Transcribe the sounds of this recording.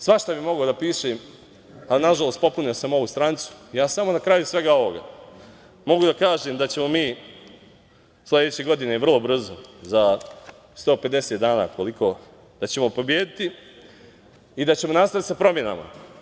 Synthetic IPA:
sʋaʃt̪abimo̞ɡad̪apiːʃem | alinaʒalˠost̪po̞punijosamo̞ʋust̪ɾant̪su̥jaːsamo̞nakɾajusʋe̞ɡao̞ʋo̞ɡa̰ | mo̞ɡud̪akaːʒeːmd̪at͡ɕe̞mo̞miː | slʲe̞d̪et͡ɕeɡo̞d̪ine̞ʋr̩lˠo̞br̩zoza | st̪o̞ːpe̞d̪e̞set̪d̪aːna̰ːko̞likʰo̞ | d̪̥at͡ɕe̞mo̞po̞bje̞ːd̪it̪i | d̪at͡ɕe̞mo̞nast̪at̪i̥sapɾo̞mje̞na̰ma̰

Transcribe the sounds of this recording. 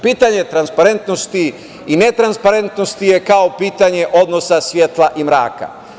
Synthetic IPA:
piːt̪aɲe̞t̪ɾanspaɾe̞nt̪nost̪iː | ne̞t̪ɾanspaɾent̪nost̪ijekao̞piːt̪aɲe̞ʔod̪nosasʋjet̪lˠaʔimɾa̰ːka̰

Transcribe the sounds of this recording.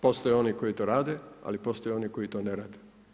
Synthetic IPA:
po̞st̪ojeo̞niko̞it̪oːɾaːd̪ea̰lipo̞st̪ojeo̞niko̞jit̪oːneɾaːd̪e

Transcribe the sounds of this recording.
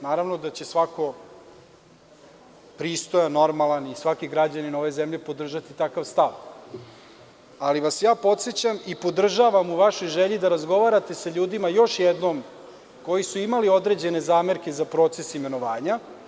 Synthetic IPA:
naːɾaʋno̞d̪at͡ɕe̞sʋako̞ | pɾiːst̪o̞jano̞ɾmalanisʋakiɡɾad͡ʑanino̞ʋe̞zemʎepo̞d̪r̩ʒat̪it̪akaʋst̪aʋ | aliʋasjaːpo̞t̪se̞t͡ɕamipo̞d̪r̩ʒaʋamuʋaʃo̞jʒeʎid̪aɾazɡo̞ʋaːɾat̪e̞saʎuːd̪imajo̞ʃjɛd̪no̞m | ko̞jisuimalio̞d̪ɾe̞d͡ʑe̞ne̞zaːme̞ɾke̞zapɾo̞t̪se̞sime̞no̞ʋaːɲa

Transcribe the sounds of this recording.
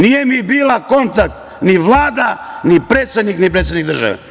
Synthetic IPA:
nijemibiːlako̞nt̪ak̚t̪ | niʋlˠaːd̪anipɾeːt̪sed̪niknipɾet̪senikd̪r̩ʒa̰ʋḛ

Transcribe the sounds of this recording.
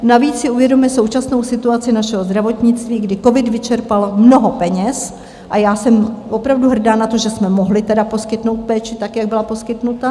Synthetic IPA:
naviːt͡ssɪuvjɛdomɪso̞wt͡ʃasno̞wsɪt̪uat͡sɪnaʃɛɦozd̪ɾavo̞t̪ɲɪt͡st̪viːɡdɪko̞vɪdvɪt͡ʃɛɾpalmno̞ɦo̞pɛɲɛs | ʔajaːsɛmvo̞pɾavduɦr̩daːnat̪o̞ʒɛsmɛmoɦlɪt̪ɛdapo̞skɪt̪no̞wt̪̚pɛːt͡ʃɪt̪akjaɡ̚bɪlapo̞skɪt̪nut̪a

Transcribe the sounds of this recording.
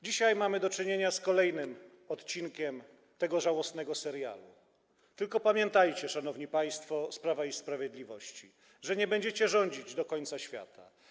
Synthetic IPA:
d͡ʑiɕajmamɘd̪ɔt͡ʂɘɲeɲaskɔlɛjnɘm | ɔt̪t͡ɕinkʲɛm | t̪ɛɡɔʐawɔsnɛɡɔsɛɾja̰lṵ | t̪ɘlkɔpamʲjɛnt̪ajt͡ɕɛʂanɔvɲipaj̃st̪fɔspɾavaispɾavʲjɛd̪lʲivɔɕt͡ɕi | ʐɛɲɛbɛɲd͡ʑɛt͡ɕɛʐɔɲd͡ʑid͡ʑd̪ɔkɔɲt̪saɕfʲja̰t̪ʰa̰

